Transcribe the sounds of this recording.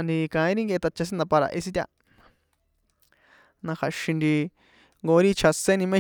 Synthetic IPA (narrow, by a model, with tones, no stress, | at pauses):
nd̪i˧kã˧ĩ˦ɾi˦ŋɡe˧e˧t̪a˧t͡ʃa˧s̬ĩ˦d̪a˧pa˧ɾa̰˧ʔe˧si˧t̪ʲa̰˧ | nã˧xa˨ʃĩ˧nd̪i˧ | ŋɡo˧˦ɾi˦t͡ʃʰa˧se˦nĩ˧mẽ˦